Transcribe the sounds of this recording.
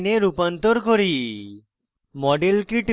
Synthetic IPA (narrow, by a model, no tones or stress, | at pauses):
neɾupɔnt̪oɾkoɾi | mɔɖelkiʈ